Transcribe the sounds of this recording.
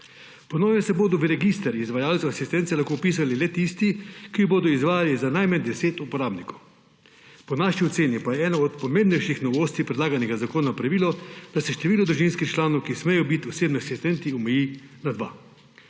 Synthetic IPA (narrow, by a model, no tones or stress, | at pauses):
pɔnoːʋɛsɛboːd̪ɔʋəɾɛɡist̪ɛɾizʋajaːlt͡s̪oasist̪ɛnt̪sɛlaxkopiːs̬alilɛt̪ist̪ikiboːd̪ɔizʋaːjalizanajmand̪ɛseːt̪upɔɾaːbnikɔw | pɔnaʃiɔseːnipajɛɛːnaɔt̪pɔmẽmbnɛjʃixnɔʋoːst̪ipɾɛd̪laːɡanɛɡazakoːnapɾaʋiːlɔd̪̥asɛʃt̪ɛʋiːlɔd̪ɾuʒinskixt͡ʃlaːnɔwkismɛjɔbit̪ɔseːbniasist̪ɛnt̪iɔmɛjinad̪ʋa̰